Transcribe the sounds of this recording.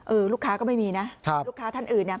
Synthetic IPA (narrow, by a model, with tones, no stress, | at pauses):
ʔɤː˧luː˥˩kʰaː˦˥kɔː˥˩ma˥˩jmiː˧na˦˥kʰa˦˥˩luː˥˩kʰːaː˦˥t̪ʰa˥˩nʔɯː˨˩nːi˥˩